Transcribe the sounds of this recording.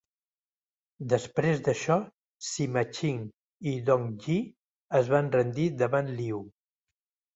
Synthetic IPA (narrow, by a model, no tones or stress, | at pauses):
d̪əspɾezd̪əʃɔ | simət͡ʃiŋ | iðɔŋʒi | əzβanrənd̪iðəβanliw